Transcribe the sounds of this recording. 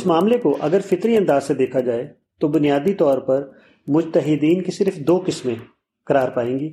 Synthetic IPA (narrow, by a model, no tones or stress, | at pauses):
ɪsmaːmlekoʔɐɡəɾfɪt̪ɾiɐ̃nd̪aːzsed̪eːkʰad͡ʒaːe | t̪obʊnijaːd̪it̪ɔːɾpɐɾ | mʊd͡ʒt̪əɦɪd̪iːnkesɪɾfd̪oːkɪsmẽ | kɐɾaːɾpaːẽːŋɡiː